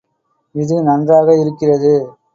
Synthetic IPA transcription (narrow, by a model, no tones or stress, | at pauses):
ɪðɯnɐndraːɣɐɪɾɯkːɪrɐðɯ